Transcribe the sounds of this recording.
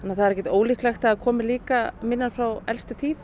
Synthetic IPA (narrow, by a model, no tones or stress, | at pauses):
anːaθaðɾɛhcɛt̪oːwlɪhklajxt̪aðkʰɔːmɪliːkamɪnːafɾawɛlst̪ʏt̪ʰiːθ